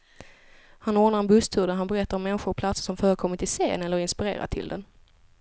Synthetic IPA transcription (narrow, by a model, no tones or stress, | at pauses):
hanɔːnaɾɛnbɵst̪ʰɵːd̪əɦanbɛɾɛt̪ːaɾɔmːɛnɧʊɾɔpʰlat̪sə̥ʂɔmfœːɾəkʰɔmːɪt̪ɪseːnɛlːəɾɪnspɪɾḛːɾa̰t̪ʰɪ̰ld̪ɛ̰n